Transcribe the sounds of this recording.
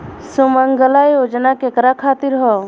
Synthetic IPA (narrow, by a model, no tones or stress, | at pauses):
suməŋɡəlajoːd͡ʒnakekɾakʰaːt̪iɾɦɔ